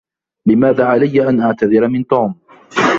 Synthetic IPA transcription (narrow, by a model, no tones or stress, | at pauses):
lɪmaːðaːʕalajːaʔanʔaʕt̪aðɪɾamɪnt̪uːm